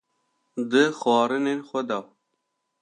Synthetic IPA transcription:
d̪ɨxɑːɾɨnenxʷɛd̪ɑ

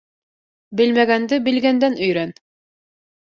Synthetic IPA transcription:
bɘlmæɡænd̪ɘbɘ̆lɡænd̪ænɵ̆jɾæn

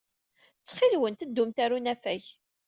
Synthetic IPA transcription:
t͡sːχilwənt̪əd̪ːumt̪æɾunæfæç

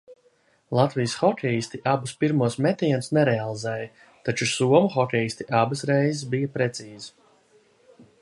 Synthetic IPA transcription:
lˠat̪vijəsxɔkʲɛjist̪iʔabuspiɾmuɔsmɛt̪iɛnsnɛɾɛalˠizɛːjɐ | t̪at͡ʃusuɔmuxɔkʲɛjist̪ʲiʔabɨsɾɛjzɪsbijɐpɾɛt̪siːzu

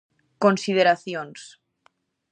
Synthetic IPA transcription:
konsið̞eɾaθjons

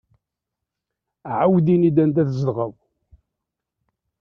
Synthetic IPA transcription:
ʕawd̪inid̪ænt̪æθzəlʁəðˤ

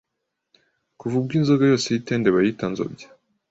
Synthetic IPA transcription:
kuvub̚ɡiːnzoɡajo̞ːsejiteːndeβajitanzo̰bɟḁ

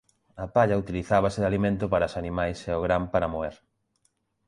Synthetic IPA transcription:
at̪aʎaut̪iliθaβasɪðalimẽnt̪ʊpaɾasanĩmajsɛoɣɾampaɾamoeɾ

